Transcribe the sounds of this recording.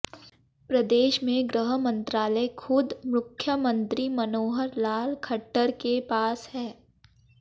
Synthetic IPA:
pɾɐd̪eːʃmẽɡɾəɦəmə̃nt̪ɾaːləkʰʊd̪mʊkʰːjəmə̃nt̪ɾimɐnoːɦəɾlaːlkʰɐʈːəɾkepaːshɛː

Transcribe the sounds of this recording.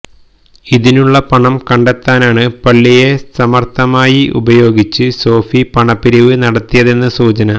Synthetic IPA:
iðinuɭːɐpɐɳɐmkɐɳɖet̪ːaːnaːɳɨpɐɭːije̞sɐmɐrt̪ʰɐmaːjiʔṵbɐjo̞ːɡit͡ɕːɨso̞ːfipɐɳɐpːiɾiʋɨnɐɽɐt̪ːijɐðe̞nːɨsuːt͡ɕɐnɐ

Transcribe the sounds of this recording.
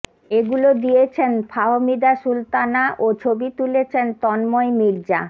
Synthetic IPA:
eɡulod̪ijet͡ɕʰenfʰaɦomid̪aʃult̪anaʔot͡ɕʰobit̪ulet͡ɕʰent̪ɔnmɔjmiɾd͡ʑa

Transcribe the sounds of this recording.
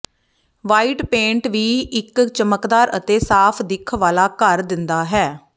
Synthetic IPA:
ʋaːiʈpẽːɳʈʋiːɪkt͡ʃəməkd̪aːɾə̰t̪eːsaːpʰd̪ɪkʰʋaːlaːkəɾd̪ɪnd̪aːɦɛː

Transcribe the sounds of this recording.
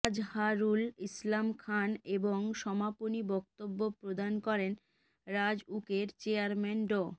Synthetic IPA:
d͡ʑhaɾulislamkʰaneboŋʃɔmaponibɔk̚t̪obːopɾod̪ankɔɾen | ɾad͡ʑukeɾt͡ɕeaɾmenɖo

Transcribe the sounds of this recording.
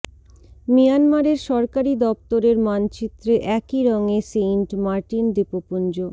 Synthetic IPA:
mijanmaɾeɾʃɔɾkaɾid̪ɔp̚t̪oɾeɾmant͡ɕit̪ːɾeʔɛkiɾɔŋeseɳʈmaɾʈind̪epopund͡ʑo

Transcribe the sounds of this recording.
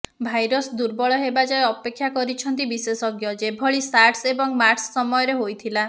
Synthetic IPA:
bʱajɾɔsd̪uɾbɔɭɔɦebad͡ʒɔjeɔpekʰːjakɔɾit͡ʃʰɔnt̪̬ibisesɔɡjɔd͡ʒebʱɔɭisaɾʈsebɔŋmaʈsːɔmɔjɔɾeɦojt̪ʰila

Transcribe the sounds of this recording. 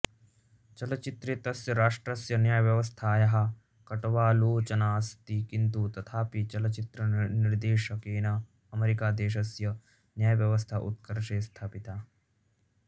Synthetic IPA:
t͡ʃɐlɐt͡ʃit̪ɾeːt̪ɐsjɐɾaːʂʈɾɐsjɐnjaːjɐʋjɐʋɐst̪ʰaːjɐɦɐ̆ | kɐʈɐʋaːloːt͡ʃɐnaːst̪ikint̪ut̪ɐt̪ʰaːpit͡ʃɐlɐt͡ʃit̪ɾɐniɾd̪eːʃɐkeːnɐ | ɐmeɾikaːd̪eːʃ̬ɐsjɐ | njaːjɐʋjɐʋɐst̪ʰaʔṵt̪̚kɐɾʃeːst̪ʰaːpit̪aː

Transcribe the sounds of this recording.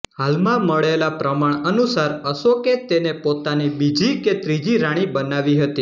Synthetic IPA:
halmãməɭelapɾəmaɳənusaɾəʃoket̪enepot̪anibid͡ʒiket̪ɾid͡ʒiɾaɽ̃ibənaʋiɦət̪i

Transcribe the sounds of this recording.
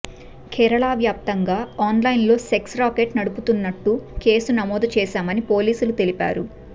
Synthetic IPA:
kʰɛːɾɐɭaːʋjaːp̚t̪ɐŋɡaːaːnlɐjnlo̞ːse̞ksɾaːkeːʈnɐɽuput̪unːɐʈːuke̞ːsunɐmɔːd̪ɐt͡ʃɛːʃaːmɐnipo̞ːliːsulut̪elipa̰ːɾu

